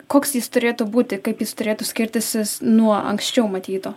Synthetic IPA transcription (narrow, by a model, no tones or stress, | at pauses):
koːksjɪst̪ʊɾʲeːt̪ʊbuːt̪ʲɪkɐɪpjɪst̪ʊɾʲeːt̪ʊsʲkʲɪɾʲt̪ʲɪsʲɪnuɔɐ̰ŋksʲt͡ʃʲɛʊmɐt̪ʲiːt̪oː